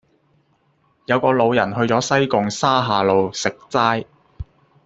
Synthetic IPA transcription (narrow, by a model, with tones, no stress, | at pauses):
jɐ˨˧wkɔː˧lo˨˧wjɐ˨˩nɦɵ˧ɥt͡sɔː˨˥sɐ˥jkʊ˨ŋsaː˥ɦaː˨˧lo˨˧wsɪ˨k̚t͡saː˥j